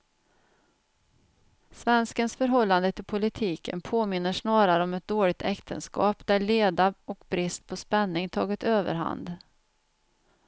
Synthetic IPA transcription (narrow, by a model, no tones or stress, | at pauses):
svɛnskənsfœɾɦɔlːand̪ət̪ʰɪlpʰʊlɪt̪ʰiːkə̰npʰoːmɪnːəʂnɑːɾaɾəɔmɛt̪̚d̪oːɭɪɡ̚t̪ʰɛkt̪ʰə̰nskɑ̰ːpd̪æɭeːd̪aɔkbɾɪst̪̚pʰɔspɛnːɪŋt̪ʰɑ̰ːɡɪt̪øːvə̰ɾɦa̰nd̪